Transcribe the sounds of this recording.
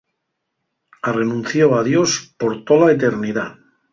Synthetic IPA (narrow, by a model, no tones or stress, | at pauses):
are̞nũnθjoað̞jo̞spo̞ɾt̪olaet̪e̞ɾniða